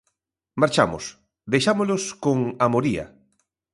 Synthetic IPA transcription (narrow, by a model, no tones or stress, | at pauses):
maɾt͡ʃamo̰s | ðejʃamoloskoŋamoɾia̰